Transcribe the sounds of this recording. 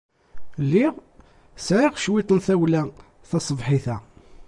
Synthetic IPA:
lːiʁ | sʕɪʁʃwit̪ˤənθæwlæ | θɑsˤəvħiθæ

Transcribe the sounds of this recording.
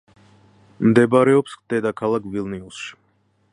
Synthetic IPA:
md̪ɛbaɾɛɔpsχd̪ɛd̪akʰalˠakʰvilniusʃi̥

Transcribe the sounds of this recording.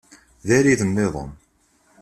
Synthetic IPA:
ðæɾiðənːeðˤə̰n

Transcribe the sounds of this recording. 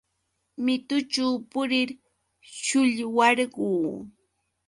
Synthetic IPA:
mɪt̪ʊt͡ʃawpʊɾɪɾ | ʃʊʎwɑɾɢuː

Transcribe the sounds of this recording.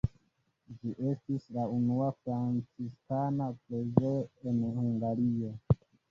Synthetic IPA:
d͡ʒiʔe̞stislaunuafɾant͡siskanapɾezoenhuŋɡaɾio̞

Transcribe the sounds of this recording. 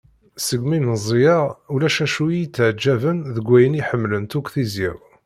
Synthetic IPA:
səɡmiməzˤijɑulæʃæʃuijit͡sːʕd͡ʒːævənðəɡʷːæjəniħəmːlənt̪uɡθizḭʁ

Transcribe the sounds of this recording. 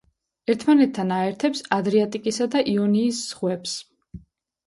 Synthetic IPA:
ɛɾt̪ʰmanɛt̪ʰːanaɛɾt̪ʰɛpsad̪ɾiat̪ʼikʼisad̪aʔiɔniːsːχwɛps

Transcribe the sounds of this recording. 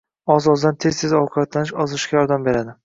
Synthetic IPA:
ɒzɒzd̪ant̪ʰe̞z̥t̪ʰeɒwqʰʊbat̪lanɪʃɒzɪʃɡʲajɒɾd̪ambe̞ɾad̪ɪ

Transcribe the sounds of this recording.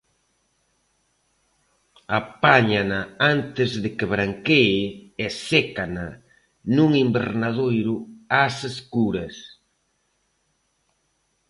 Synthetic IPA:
apaɲanaant̪ɪzðɪkɪβɾaŋkeesekana | nuŋimbḛɾnað̞ojɾʊaseskuɾɐs

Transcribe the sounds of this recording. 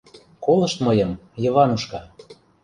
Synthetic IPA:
kolɤ̆ʃt̪mɤjə̆mjɤ̆vɑnuʃkɑ

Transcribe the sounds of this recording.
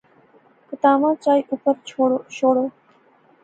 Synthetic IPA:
kət̪aːmãːt͡ʃaːiːʔʊpəɾʰot͡ʃʰoːɽoː

